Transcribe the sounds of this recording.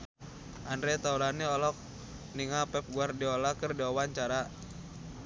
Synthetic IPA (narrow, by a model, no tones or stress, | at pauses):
ʔandɾɛt̪auɾaniɔlɔk̚ | niŋapɛp̚ɡuardiɔlakərdiawaɲt͡ʃaɾa